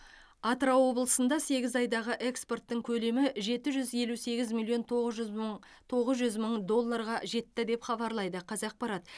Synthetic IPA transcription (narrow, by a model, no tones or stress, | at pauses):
ɑt̪rɑwo̞blˠəsənd̪ɑse̞ɡʲɪzɑjd̪ɑʁəʔe̞kspo̞rt̪ːəɴkʲʰɵle̞mɪʒe̞t̪ɪʒʏzje̞luse̞ɡʲɪzmilʲːˠijo̞n | t̪ʰo̞ʁəzʒʏzməɴd̪o̞lˠːɑɾʁɑʒe̞t̪ːɪd̪e̞pχɑbɑɾlˠɑjd̪əqʰɑzɑq̚pɑɾɑt̪